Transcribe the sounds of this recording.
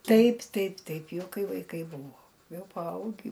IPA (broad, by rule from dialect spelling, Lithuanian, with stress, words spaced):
ˈtɐɪp ˈtɐɪp ˈtɐɪp ˈjɛʊ ˈkɐɪ ʋɐɪˈkɐɪ ˈbuːʋoː ˈjɛʊ pɐˈɐʊɡʲiː